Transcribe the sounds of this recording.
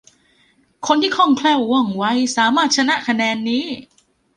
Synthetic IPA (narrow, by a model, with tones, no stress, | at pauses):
kʰo˧nt̪ʰiː˥˩kʰɔ˥˩ŋkʰlɛː˥˩wɔ˧˩ŋwa˦˥jsaː˩˦maː˥˩t̪̚t͡ɕʰa˧na˦˥ʔkʰa˧nɛː˧nːiː˦˥